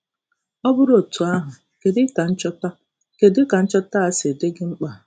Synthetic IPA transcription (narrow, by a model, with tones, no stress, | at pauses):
ɔ˦bʊ˦ɾo˨tu˨a˦ɦʊ˨ | ke˨dɪ˦ka˨n̩˦t͡ʃɔ˦ta˦ | ke˨dɪ˦ka˨n̩˦t͡ʃɔ˦ta˦a˦se˨de˦ɡɪ˦ŋ͡m̩˦k͡pa˨